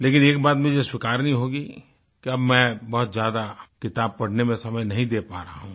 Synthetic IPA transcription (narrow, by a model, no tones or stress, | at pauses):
leːkɪneːk̚baːt̪mẽd͡ʒeswɪkaːɾniɦoːɡi | kiɐbmɛ̃bɐɦʊt̪zjaːd̪akɪt̪aːb̚pɐɽ̤nemẽsɐməjnɐɦĩd̪eːpaːɾaaɦũː